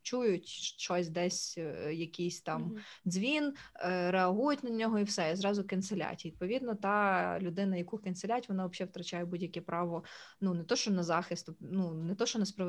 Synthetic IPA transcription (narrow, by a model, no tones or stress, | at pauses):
t͡ʃujʊtʲʃt͡ʃɔsʲd̪ɛsʲjɐkʲisʲt̪ɑmd̪zʲʋʲinɾeɐɦujʊtʲnɐnʲɔɦɔiwsɛizɾɑzʊkɐntselʲa̰tʲid̪̚pɔʋʲid̪nɔt̪ɑlʲʊd̪ɪnɐjɐkukɐnselʲatʲʋɔnɑʋɐbʃɛwt̪ɾɐt͡ʃɑjɛbudʲjɐkʲɛpɾɑʋɔnunet̪ɔʃt͡ʃɔnɐzɑxɪst̪nunɛt̪ɔʃt͡ʃɔnɛspɾɔʋ